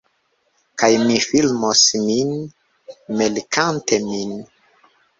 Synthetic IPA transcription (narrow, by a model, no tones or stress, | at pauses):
kajmifilmosmin | melikantemin